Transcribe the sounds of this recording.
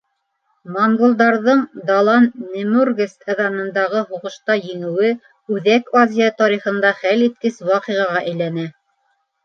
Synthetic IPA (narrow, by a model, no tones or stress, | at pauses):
moŋɡŏlˠd̪ɑɾðɤɴd̪ɑlˠɑnːɘ̆murɡɘst̪ɑðɑnɤ̆nd̪ɑʁɤɦuʁɤ̆ʃt̪ɑjɘ̆ŋɘ̆wɘ | ʉðækazʲijat̪ɑɾiχɤ̆nd̪ɑχælit̪̚kɘswɑqiʁɑʁɑʔæjlænæ